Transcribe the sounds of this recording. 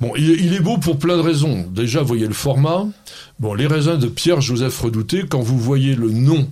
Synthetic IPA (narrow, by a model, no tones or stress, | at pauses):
bɔ̃ʔilɛilɛbopuʁplɛ̃d̪əʁezɔ̃d̪eʒavwajeləfɔʁma | bɔ̃leʁezɛ̃d̪əpjɛʁʒozɛfʁəd̪ut̪ekɑ̃vuvwajelənɔ̃